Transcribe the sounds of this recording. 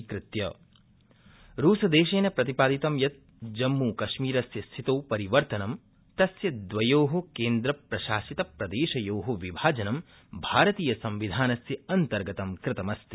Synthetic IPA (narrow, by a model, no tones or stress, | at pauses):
kɾɪt̪jɐ | ɾuːsɐd̪eːʃeːnɐpɾɐt̪ipaːd̪it̪ɐmjɐt̪̚ | d͡ʒɐmːuːkɐʃmiːɾɐsjɐst̪ʰit̪oːpɐɾiʋɐɾt̪ɐnɐm | t̪ɐsjɐd̪ʋɐjoːɦokeːnd̪ɾɐpɾɐʃaːsit̪ɐpɾɐd̪eːʃɐjoːɦoʋibʱaːd͡ʒɐnɐm | bʱaːɾɐt̪iːjɐsɐmʋid̪ʱaːnɐsjɐɐnt̪ɐɾɡɐt̪ɐmkɾɪt̪ɐmɐst̪i̥